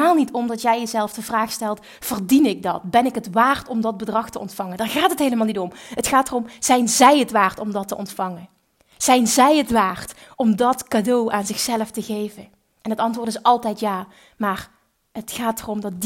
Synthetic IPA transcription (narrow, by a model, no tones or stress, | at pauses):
aːlˠnitʰɔmdɑtjɛjjəzɛlˠfdəvraːxstɛlˠt | v̥ərdinɪɡ̚dɑ̰tbɛnɪkətʋaːrtɔmdɑd̚bədrɑxtəʔɔ̰ntfɑŋəndaːɹɣaːtɦətɦejləmaːlˠnitɔmɦətxaːtərɔmz̥ɛjnzɛjətʋaːrtɔmdɑtəʔɔntfɑŋən | z̥ɛjnzɛjətʋaːrtɔmdɑtkadowʔaːnzɪxsɛləftəɣejvən | ʔɛnɦətɑntʋʊːɹtɪsɑlˠtɛjtjaː | maːr | ɦətxaːtərɔmdɑt̚d